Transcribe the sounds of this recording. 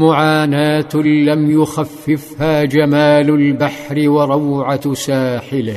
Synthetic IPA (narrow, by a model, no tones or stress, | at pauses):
mʊʕaːnaːt̪lamjʊxafːɪfhaːd͡ʒamaːlʊlbaħɾɪwɑɾˤɑwʕasaːħɪlɪ